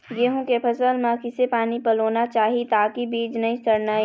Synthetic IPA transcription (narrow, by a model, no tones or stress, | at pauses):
jeːɦõkepʰɐsəlmãkɪsepaːnipɐloːnat͡ʃaːɦit̪aːkibiːd͡ʒnɐɦĩsɐɾnaːi